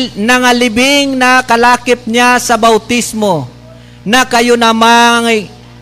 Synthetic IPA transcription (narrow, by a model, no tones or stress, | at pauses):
nɐŋalɪbɪŋnɐkɐlaːkɪp̚ɲasɐbawt̪ismo | nɐkɐjonɐmaŋ